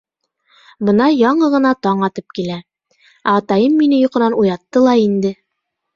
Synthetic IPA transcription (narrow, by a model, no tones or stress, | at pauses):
bɤ̆nɑjɑɴɤʁɤ̆nɑt̪ɑɴɑt̪ɤp̚kilæ | æːt̪ɑjɤmːinɘjŏqɤ̆nɑnujɑt̪ːɤlˠɑind̪ɘ